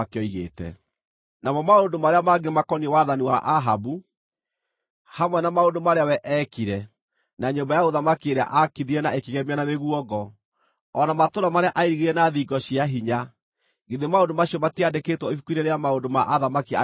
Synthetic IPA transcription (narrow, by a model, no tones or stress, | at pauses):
akeɔiɣḛːtɛ̰ | namɔmaondomaɾeamaɡemakɔniɛwaðaniwaʔaɦabu | hamwɛnamaondomaɾeawɛʔɛkiɾɛ | naɲoːmbajaoðamakieɾea̰ʔakiðiɾɛnaekiɣɛmeanameɣuɔɡɔ | ɔnamatoɾamaɾeaʔaiɾiɣeɾɛnaðiɡɔɕiaɦiɲa | ɡeðemaondomaɕiɔmatiadeketwɔifukwineɾeamaondoma̰ʔaðamakia